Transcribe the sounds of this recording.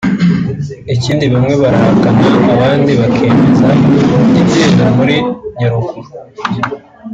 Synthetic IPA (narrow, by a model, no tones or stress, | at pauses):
iciːndiβamŋe̞βaɾahakanaːβaːndiβakʰeːmezaibjeːɾamuɾiɲaɾuku